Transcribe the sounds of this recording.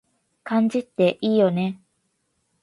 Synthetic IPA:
kãɲd͡ʑit̪ːe̞ʔiːjo̞ne̞

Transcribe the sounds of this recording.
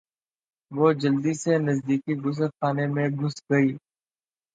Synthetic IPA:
ʋoːd͡ʒɐld̪isenɐzd̪iːkiɡʊs̬əɾxaːnemẽɡʊsɡɐiː

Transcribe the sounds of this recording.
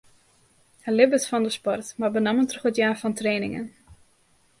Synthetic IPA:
həlɪbəsfɔndəspɔrtmarbənaməntrɔχətjaːfɔntreːnɪ̰ŋə̰n

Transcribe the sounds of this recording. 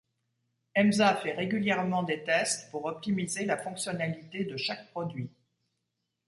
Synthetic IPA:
ɛmzafɛʁeɡʲyljɛʁmɑ̃d̪et̪ɛst̪puʁɔp̚t̪imizelafɔ̃ksjɔnalit̪ed̪əʃak̚pχɔd̪ɥi

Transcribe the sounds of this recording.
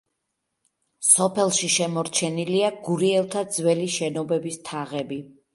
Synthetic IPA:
sɔpʰɛlˠʃiʃɛmɔɾt͡ʃʰɛniliaɡuɾiɛlˠt̪ʰad̪zwɛliʃɛnɔbɛbist̪ʰaʁɛbi

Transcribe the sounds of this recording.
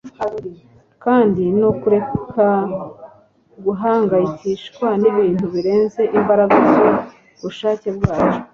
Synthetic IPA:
kaːndino̞kuɾe̞kʰa | ɡuɦaːŋɡajiciʃkwaniβiːn̥huβiɾe̞ːnze̞ʔimbaɾaɡazo | βuʃaːce̞bɡaːt͡ʃo̥

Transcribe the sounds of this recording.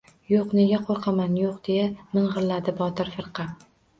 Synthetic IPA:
joqne̞ɡʲaqʰoɾqʰɑmanjoqd̪̥e̞jamɪɴʁɨɾlad̪ɪbɒt̪ɪɾfɨɾqʰɑ

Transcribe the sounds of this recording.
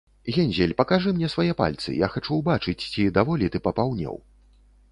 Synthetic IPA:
ɣʲɛnʲzʲɛlʲpɐkaʐɨmnʲɛsvajɛpa̰lʲt̪sɨ̰jaxat͡ʂuwbat͡ʂɨt͡sʲt͡sʲid̪avɔlʲit̪ɨpɐpawnʲɛ̰w

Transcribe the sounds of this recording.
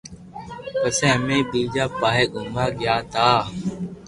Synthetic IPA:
kəsẽːɦmẽːbiːd͡ʒaːpaːɦeːɡʊmaːɡɪjaːt̪aː

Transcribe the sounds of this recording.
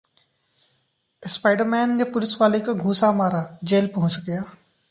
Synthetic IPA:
ɪspaːɪɖəɾmɛːnjepʊlɪsʋaːlekaɡʱuːsamaːɾad͡ʒeːlpɐɦʊ̃t͡ʃɡejaː

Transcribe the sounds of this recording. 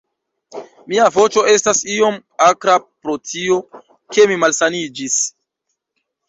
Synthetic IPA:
miavo̞t͡ʃo̞e̞stasio̞makɾapɾo̞tʰio̞ | ke̞mimalsanid͡ʒis

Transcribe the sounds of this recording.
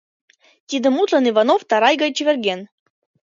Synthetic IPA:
t̪ʲid̪ə̆mut̪lɤ̆nivɑnoft̪ɑɾɑjɡɑjt͡ɕivʲerɡʲen

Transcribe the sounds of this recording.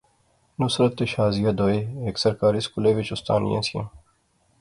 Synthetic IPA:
nʊsɾət̪ːeʃaːzɪjəd̪oːeːeːksəɾkaːɾiːskuːleːʋɪt͡ʃʊst̪a̰ːnɪ̰jã̰ːsɪjã̰ː

